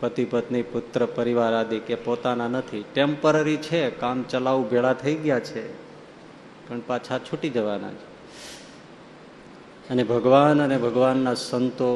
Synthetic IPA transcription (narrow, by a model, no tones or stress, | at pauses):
pət̪ipət̪nipʊt̪ɾəpəɾiʋaɾad̪ikepot̪ananət̪ʰiʈempəɾəɾit͡ʃʰekamt͡ʃəlaʋũbʱeɭat̪ʰəiɡjat͡ʃʰe | pəɳpat͡ʃʰat͡ʃʰuʈid͡ʒəʋana̰t͡ʃʰe̥ | ənebʱəɡʋanənebʱəɡʋanːasənt̪o